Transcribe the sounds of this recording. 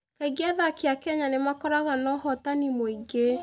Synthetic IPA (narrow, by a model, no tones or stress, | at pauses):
kaiɡaðakeakɛɲanemakɔɾaɣanɔhɔtanimoiɡe